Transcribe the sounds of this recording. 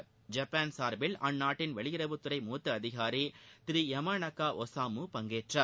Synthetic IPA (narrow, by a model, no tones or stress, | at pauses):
d͡ʒɐpːaːnsaːɾbɪlɐnːaːʈːɪnʋɛɭɪjɪɾɐʋɯt̪ːɯɾɐɪmuːt̪ːɯɐðɪɣaːɾit̪ɪɾiɛmaːnɐkːaːʔɔsaːmupɐŋɡeːʈrɐ